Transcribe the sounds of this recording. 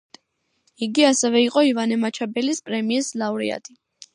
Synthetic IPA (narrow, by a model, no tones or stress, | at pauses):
iɡiasɛvɛiqʼɔivanɛmat͡ʃʰabɛlispʼɾɛmiɛslauɾḭa̰t̪ʰi